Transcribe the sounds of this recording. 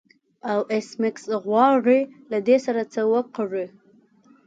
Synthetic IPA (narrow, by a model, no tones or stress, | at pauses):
awʔesmɪksɣwɑʐelad̪esaɾat͡səwəqaʐə